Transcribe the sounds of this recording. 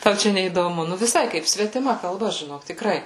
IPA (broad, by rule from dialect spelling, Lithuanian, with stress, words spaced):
ˈtɐʊ ˈt͡ʃʲɛ nʲɛiːdoːˈmʊ ˈnʊ ʋʲɪˈsɐɪ ˈkɐɪp sʲʋʲɛtʲɪˈmɐ kɐlˠˈbɐ ʒʲɪˈnoːk tʲɪkˈrɐɪ